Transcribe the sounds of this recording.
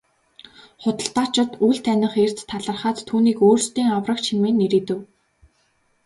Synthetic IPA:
χʊt̪ə̆ɬt̪ḁːt͡ɕɪ̆t̪ujɮt̪ʰænʲɪ̆χer̥t͡st̪ʰːaɮə̆rχaːt͡st̪ʰːuːniːkoːrst̪iːŋawrə̆k̚t͡ɕʰimeːnːeɾiːt̪ɘ̆w

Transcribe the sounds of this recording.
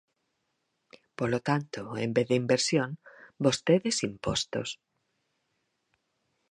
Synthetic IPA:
polot̪ant̪oembeððeimbeɾsjoŋbost̪eðesimpost̪os

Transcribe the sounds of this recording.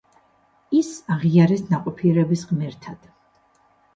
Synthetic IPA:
isaʁiaɾɛsʰnaqʼɔpʰiɛɾɛbisʁmɛɾt̪ʰad̪̥

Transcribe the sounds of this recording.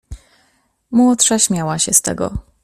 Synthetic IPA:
mwɔt̪ʂaɕmʲjawaɕɛst̪ɛ̰ɡɔ̰

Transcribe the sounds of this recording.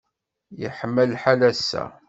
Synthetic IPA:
jəħəmːəlħalæsːæ̰

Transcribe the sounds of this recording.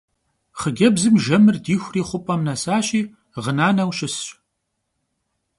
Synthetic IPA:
χəɡʲɐbzɨmʒɐmɨrdiːxʷriːχʷʊpʼɐmnɐsaːɕʼiː | ʁənaːnɐwɕɪsɕ

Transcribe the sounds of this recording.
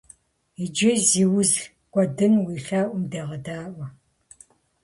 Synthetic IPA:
id͡ʒɪziːwʊz | kʷʼɔdɨnwiːɬaːʔʷʊmdɐːʁɐdaːʔʷɐ

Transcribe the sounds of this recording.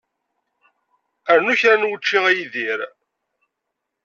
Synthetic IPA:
əɾnuçɾænwət͡ʃːiʁæjiðiɾ

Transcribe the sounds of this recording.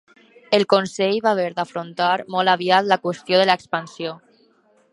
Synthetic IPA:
elkonsɛjβaːβeɾd̪afɾont̪aɾmɔlaβ̞iat̪lakwest̪joðəlaekspansjo

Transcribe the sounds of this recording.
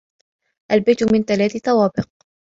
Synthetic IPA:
ʔalbajt̪ʊmɪnt̪alaːθɪθɑwaːbɪq̚

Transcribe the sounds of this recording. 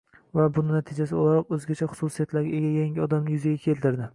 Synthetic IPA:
vabʊnɪnat̪ʰɪd͡ʒasɪolˠaɾɒqɵzɡʲat͡ʃʰaχʊ̥susijat̪laɾɡʲaeɡʲajaŋʲɪɒd̪amnɪjʊzaɡʲakʲʰe̞lt̪ʰɪɾd̪ɪ

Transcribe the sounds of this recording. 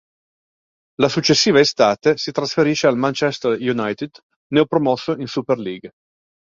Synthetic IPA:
lasut͡ʃːesːiːvaest̪aːt̪esit̪ɾasfeɾiʃealmant͡ʃɛst̪erjunajt̪id̪ | nɛɔpɾomɔsːoinsuperliːɡ

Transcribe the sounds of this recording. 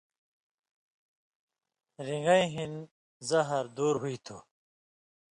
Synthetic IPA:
ɾiŋɡɐiɦin | zɐɦɐɾd̪uːɾɦuit̪ʰu

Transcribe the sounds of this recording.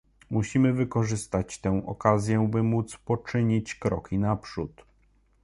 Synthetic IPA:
muɕimɘvɘkɔʐɘst̪at͡ɕt̪ɛ̃w̃ʔɔ̰kazʲjɛbɘmut̪spɔt͡ʂɘɲit͡ɕkɾɔkʲinapʂut̪

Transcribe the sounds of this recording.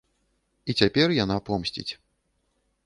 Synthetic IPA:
it͡sʲapʲɛrjanapɔmsʲt͡sʲḭt͡sʲ

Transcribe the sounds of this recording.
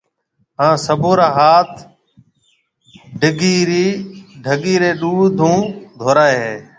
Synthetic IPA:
ɦãːsəbʱoːɾaːɦaːt̪ʰ | ɖʱɪɡiːɾiːɖʱəɠiːɾeːɗuːd̪ʱũːd̪ʱoːɾaːeɦeː

